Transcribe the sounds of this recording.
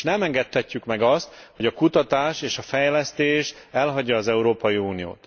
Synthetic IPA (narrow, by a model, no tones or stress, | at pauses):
nɛmɛŋɡɛt̪hɛcːykmɛɡɒst̪ho̞ɟɒkut̪ɒt̪aːʃeːʃɒfɛjlɛst̪eːʃɛlɦɒɟːɒːzɛuɾoːpɒjiuːnijo̰ːt̪